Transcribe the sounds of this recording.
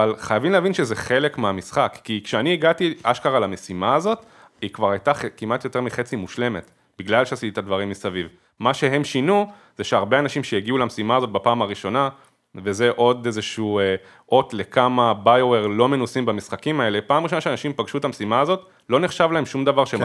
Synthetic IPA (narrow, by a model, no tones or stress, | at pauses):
avalχajavimleavinʃe̞zeχe̞le̞kmeamisχakːikʃeaniiɡatia̰ʃkaʁalame̞simaːzo̞t | ikvaʁajtaχekimat̪jo̞t̪e̞ʁmiχe̞t͡simuʃle̞me̞t̪ | b̥iɡlalʃeasit̪it̪ad̪vaʁimːisaviv | maʃe̞ɦe̞mʃinu | z̥eʃeaʁbeanaʃimʃejeɡiulamesimaːzo̞t̚bapaːmaʁiʃo̞na | ve̞ze̞ʔo̞dezeʃue | ʔo̞tle̞kamabajoweʁlo̞me̞nusimbamisχakimae̞le̞paːmʁiʃonaʃeanaʃimpaɡʃut̪amesimaːzo̞t | lo̞neχʃavlae̞mʃumd̪avaʁʃe